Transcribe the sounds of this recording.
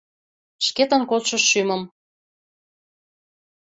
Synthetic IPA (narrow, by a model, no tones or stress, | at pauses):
ʃket̪ə̆nkot̪ʃəʃːyməm